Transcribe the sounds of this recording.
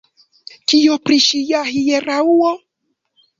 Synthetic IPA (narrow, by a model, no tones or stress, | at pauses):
kiopɾiʃijaɦijeɾauɔ